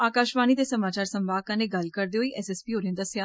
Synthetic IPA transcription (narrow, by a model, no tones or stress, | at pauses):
aːkaːʃʋaːniːt̪eːsəmaːt͡ʃaːɾsəmbaːkãːneːɡəlkəɾd̪eːɦoiːʔɛːsɛːspiːɦoːɾə̃nd̪əsjaː